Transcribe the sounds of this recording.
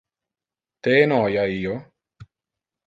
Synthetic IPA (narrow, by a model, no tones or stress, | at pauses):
t̪eːnɔːjaijo